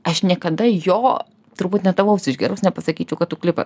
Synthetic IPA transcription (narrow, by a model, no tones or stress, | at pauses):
ɐʃnʲiɛkɐd̪ɐjoː | t̪ʊɾbuːt̪nʲɛt̪ɐʋɐʊsʲɪʃɡʲɛːɾoʊsnʲɛpɐsɐkʲiːt͡ʃʲɛʊkɐt̪t̪ʊklʲɪpɐ̰